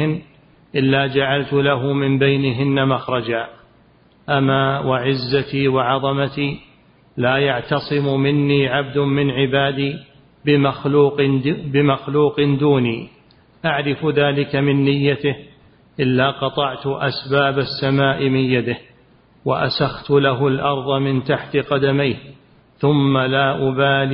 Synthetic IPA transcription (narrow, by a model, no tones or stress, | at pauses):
ɪn | ʔɪlːaːd͡ʒaʕalt̪ʊlaɦʊmɪmbajnɪɦɪnːamaxɾˤɑd͡ʒaː | ʔamaːwaʕɪzːat̪iːwɑʕɑðˤɑmat̪iː | laːjaʕt̪ɑsˤɨmʊmɪnːiːʕab̚d̪ʊmɪnʕɪbaːd̪iː | bɪmaxluːqbɪmaxluːqɪnd̪uːniː | ʔaʕɾɪfðaːlɪkamɪnːɪjːat̪ɪh | ʔɪlːaːqɑt̪ˤɑʕt̪ʊʔa̰sbaːbasːamaːʔɪmɪnjad̪ɪh | waʔa̰saxt̪ʊlaɦʊlʔɑɾˤðˤɑmɪnt̪aħt̪ɪqɑd̪amajh | θʊmːalaːʔʊbaːl